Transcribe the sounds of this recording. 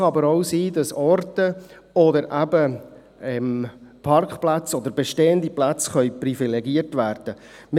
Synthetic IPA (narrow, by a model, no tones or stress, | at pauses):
ɑɑbəɾoʊsiːdɑsɔrtə | ɔdəɾʔæbə | ɛmpʰɑrkχplæt͡sɔd̪əɾbeʃteːənd̪iplæt͡sχœʏpɾifilɛɡiərtʋæːɾd̥ə | mɪ